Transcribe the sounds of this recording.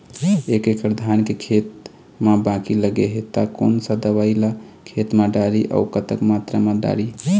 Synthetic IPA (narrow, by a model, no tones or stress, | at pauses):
ekekəɾd̪ʱankekʰet̪̚ | mabãkiləɡeɦet̪ako̰nsə̃d̪əʋaɪlakʰet̪maɖaɾiʔa̰ukət̪əkmat̪ɾamaɖa̰ɾi